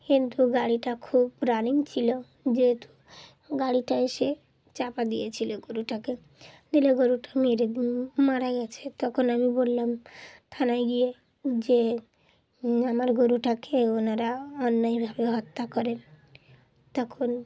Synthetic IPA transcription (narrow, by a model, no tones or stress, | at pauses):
kint̪uɡaɽiʈakʰubɾaniŋt͡ʃʰilo | d͡ʒeɦet̪u̥ | ɡaɽiʈaeʃe | t͡ʃapad̪ijet͡ɕʰiloɡoɾuʈake | d̪ileɡoɾuʈameɾed̪imaɾaɡɛt͡ʃʰet̪ɔkʰonamibolːamt̪ʰanajɡie | d͡ʑe | amaɾɡoɾuʈakʰeonaɾaɔnːɔjbʱabeɦɔt̪ːakɔɾen | t̪ɔkʰon